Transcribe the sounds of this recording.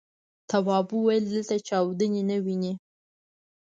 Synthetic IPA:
t̪awɑbuwajəld̪əlt̪at͡ʃɑwd̪ənenəwini

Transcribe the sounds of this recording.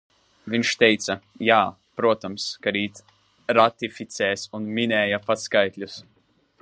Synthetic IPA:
viɲʃt̪ejt̪sɐjaː | pɾuɔt̪ɔmskaɾiːt̪ | ɾat̪ifit̪sʲɛːsunminʲɛːjapat̪skajt̪lʲus

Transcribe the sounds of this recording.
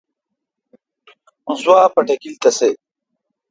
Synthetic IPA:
ũnswaːpɐʈɐkilt̪ɐse

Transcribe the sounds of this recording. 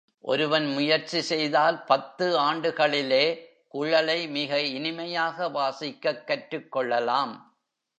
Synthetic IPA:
ʔɔ̰ɾɯʋɐnmʊjɐɾt͡ʃːisɛjðaːlpɐt̪ːɯaːɳɖɯɣɐɭɪleː | kʊɻɐlɐɪmɪɣɐɪnɪmɐjaːɣɐʋaːsɪkːɐkːɐʈrɯkːɔɭːɐlaːm

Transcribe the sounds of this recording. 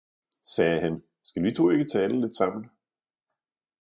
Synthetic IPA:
sɛːɦæn | sɡ̥ælʋit͡sʰo̝̰ːe̝ɡ̥ət͡sʰɛːləle̝d̥sɑ̈m̰n̩̥

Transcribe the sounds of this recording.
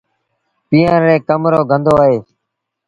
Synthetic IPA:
piːãːɾeːkəmɾoːɡʱənd̪oːaːɦeː

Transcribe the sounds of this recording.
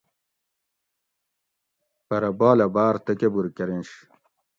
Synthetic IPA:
pɐɾɐbaːlɐbaːɾt̪ɐkebuɾkɐɾinɕ

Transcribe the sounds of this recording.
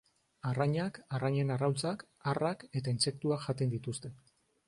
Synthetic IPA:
araɲakaraɲe̞narawlt͡sak | arake̞t̪ainse̞k̚t̪uakʝat̪end̪it̪ust̪e̞

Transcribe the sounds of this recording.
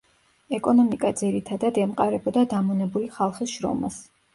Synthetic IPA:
ɛkʼɔnɔmikʼad̪ziɾit̪ʰad̪ad̪ɛmqʼaɾɛbɔd̪ad̪amɔnɛbuliχalˠχisʃɾɔ̰ma̰s

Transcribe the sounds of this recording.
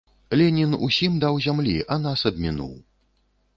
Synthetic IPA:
lʲɛnʲinṵsʲimd̪awzʲamlʲiʔanasɐb̪̚ʲmʲinṵw

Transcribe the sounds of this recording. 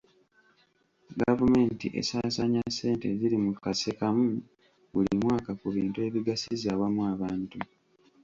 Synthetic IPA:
ɡavume̞ːntḭʔe̞̰saːsaɲasːe̞ːnte̞zilimukasekamu | βulimwaːkakuβiːntue̞βiɡasizawamuaβaːntu

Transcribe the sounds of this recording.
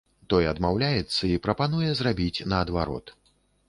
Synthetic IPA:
t̪ɔjɐd̪mawlʲajɛt̪sːɐipɾɐpanujɛzrabʲit͡sʲnɐːd̪vaɾɔ̰t̪

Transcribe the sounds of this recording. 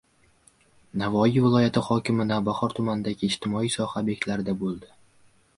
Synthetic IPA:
navɒivɪlˠɒjat̪ʰɪχɒkʲɪmɪnavbaχɒɾt̪ʰʊmanɪd̪aɡʲɪːd͡ʒt̪ʰɪmɒijsɒhabe̞kʲlaɾɪd̪abolˠd̪ɪ

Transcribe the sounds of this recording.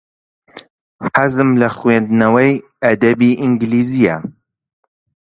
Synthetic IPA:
ħazɨmlɐχwend̪nɐwɐj | ɐd̪ɐbiʔiŋɡliːzija̰

